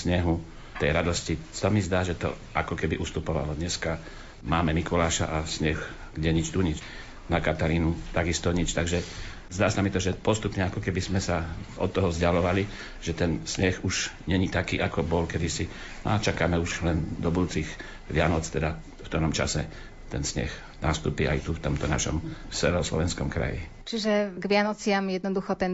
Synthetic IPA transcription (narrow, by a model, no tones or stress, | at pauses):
sɲɛɦu | t̪ɛjɾad̪ɔscisamizd̪aːʒɛt̪ɔ̰ | ʔakɔkɛbiʔust̪upɔʋa̰lɔd̪ɲɛska | maːmɛmikɔlaːʃa̰ʔasɲɛx | ɡɟɛɲit͡ʃt̪uɲit͡ʃ | nakat̪aɾiːnut̪aɡist̪ɔɲit͡ʃt̪aɡʒɛ | zd̪aːsamit̪ɔʒɛpɔst̪upɲɛakɔkɛbizmɛsaɔ̰t̪ːɔɦɔzɟalɔʋali | ʒ̥ɛt̪ɛnsɲɛxuʒɲɛɲit̪akḭːʔakɔbɔlkɛd̪isi | n̰at͡ʃakaːmɛuʒlɛnd̪ɔbud̪uːt͡siɣ | ʋɪanɔt͡st̪ɛd̪a | ft̪ɔɾɔmt͡ʃa̰sɛ | t̪ɛnsɲɛ̰x | naːst̪ṵːpia̰jt̪uft̪ɔmt̪ɔnaʃɔ̰msɛ̰ɛɔslɔ̰ʋɛnskɔmkɾa̰jḭ | t͡ʃiʒɛɡʋɪanɔt͡sɪamjɛd̪nɔd̪uxɔt̪ɛn